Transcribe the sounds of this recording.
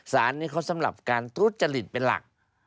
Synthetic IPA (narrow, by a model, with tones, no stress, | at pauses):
saː˨˦nːiː˦˥˩kʰa˧˩sa˨˦mla̰˨˩p̚kaː˧nt̪ʰu˦˥t̪̚t͡ɕa˧li˨˩t̪̚pe˧nla̰˨˩k̚